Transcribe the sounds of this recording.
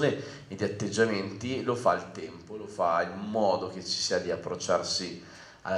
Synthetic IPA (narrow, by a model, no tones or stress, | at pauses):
ne | ed̪ːiat̪ːed͡ʒːament̪ilofalt̪ɛmpolofailmɔːd̪ok̟et͡ʃːi̥siːad̪iapːɾot͡ʃːarsi | a̰